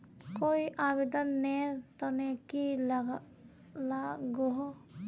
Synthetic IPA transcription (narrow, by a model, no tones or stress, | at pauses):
koːiʔaːbed̪ənːeɾt̪ɔnekilɡ | laɡoɦo